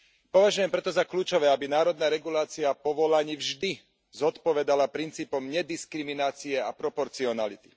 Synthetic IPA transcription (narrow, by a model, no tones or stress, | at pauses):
pɔʋaʒujɛmpɾɛt̪ɔzakluːt͡ʃɔʋɛːabinaːɾɔd̪naːɾɛɡulaːt͡siapɔʋɔlaɲiːvʒd̪i | zɔt̪pɔʋɛd̪alapɾint͡siːpɔmɲɛd̪iskɾiminaːt͡siɛapɾɔpɔɾt͡siɔnalit̪i̥